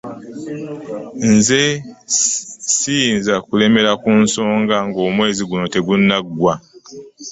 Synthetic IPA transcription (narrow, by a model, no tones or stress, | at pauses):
nze | sinzakule̞me̞ɾakunso̞ːŋɡaŋɡo̞ːmwe̞ːziɡuno̞te̞ɡunːaɡwa